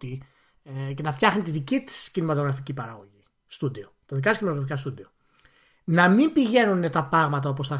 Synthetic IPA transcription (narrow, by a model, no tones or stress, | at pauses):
t̪i | ce̞nɐft̪çɐxnit̪iðicit̪i̥scinimɐt̪o̞ɣɾɐficipɐɾɐɣo̞ʝi | st̪ud̪iot̪ɐðikɐt̪scinimɐt̪oɣɾɐfikɐst̪ud̪io | nɐmimbiʝe̞nune̞t̪ɐpɾɐɣmɐt̪̬ɐo̞po̞sθɐ